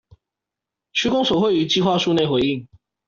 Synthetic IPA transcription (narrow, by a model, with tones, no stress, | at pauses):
t͡ɕʰy˥kʊ˥ŋswɔ˨˩xwe˥˩ɪy˨˩˦t͡ɕi˥˧xwa˥˧ʂu˥˧ne˥˩ɪxwe˧ɪi˥˩˨ŋ